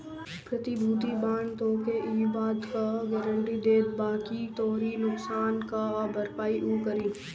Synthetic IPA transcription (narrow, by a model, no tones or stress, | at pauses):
pɾɐt̪ibʱuːt̪̬ibaːɳt̪oːkeʔiːbaːd̪kaɡɐɾəɳʈid̪eːd̪baːkit̪ɔːɾinʊksaːnkabʱəɾpaːiʔuːkəɾiː